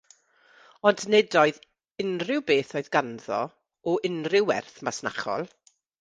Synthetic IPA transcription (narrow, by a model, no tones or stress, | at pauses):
ɔndnedoɨð | ɪnrɪwbeːθoːɨðɡanðɔ̰ | ɔɪnrɪwɛ̰rθmasna̰χɔ̰lˠ